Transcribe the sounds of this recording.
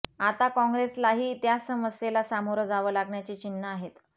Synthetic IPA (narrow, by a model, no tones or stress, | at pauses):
at̪akɔ̃ŋɡɾeslaɦiːt̪jasəməsjelasamoɾəd͡zaʋəːlaɡɳjat͡ɕiːt͡ɕinːəaɦet̪